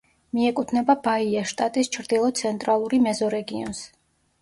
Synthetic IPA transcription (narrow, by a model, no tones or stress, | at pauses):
miɛkʼut̪ʰnɛbabaiaʃt̪ʼat̪ʼist͡ʃʰɾd̪ilˠɔt̪sʰɛnt̪ʼɾalˠuɾimɛzɔɾɛɡiɔ̰ns